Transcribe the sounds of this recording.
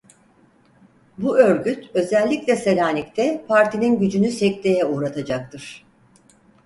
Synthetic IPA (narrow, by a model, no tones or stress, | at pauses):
buø̞ɾɟyt̪ʰø̞zɛlʲːicʲlʲɛselʲaːnʲict̪ʰɛpʰaɾt̪ʰininɟyd͡ʒynysɛc̚t̪ʰe̞jɛuːɾat̪ʰad͡ʒak̚t̪ʰɯɾ̥